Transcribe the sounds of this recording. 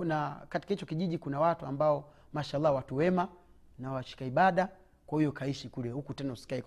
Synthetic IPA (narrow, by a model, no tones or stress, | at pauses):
nakati̥kahit͡ʃɔkiʄiʄikunawatuambaɔ | maʃaalːawatuwɛma | nawaʃi̥kaiɓaɗa | kwahujɔkaiʃikulɛhukutɛnausi̥kaik